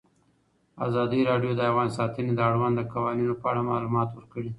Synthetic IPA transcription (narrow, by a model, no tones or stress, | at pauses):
a̰zɑd̪iɾɑɖjod̪əavɣɑns̬ɑt̪əned̪əaɽwand̪əkawɑninopəaɽamɑlumɑt̪wəɾkəɽi